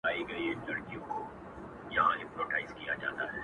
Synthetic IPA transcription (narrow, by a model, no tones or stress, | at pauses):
aːiɡɐilɐɽkijõko | jɐɦã̰ɪ̃mpɾoːʈaːɪzkija̰d͡ʒa̰ːt̪a̰ɦɛː